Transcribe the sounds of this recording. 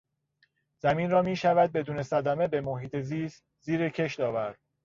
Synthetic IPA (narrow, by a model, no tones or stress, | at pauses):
z̥æmiːnrɒːmiːʃævæd̪̚be̞d̪uːne̞sæd̪æme̞be̞moɦiːt̪ʰeziːst̪ | ziːɾecʰe̞ʃt̪ɒːvæɾd̪̥̚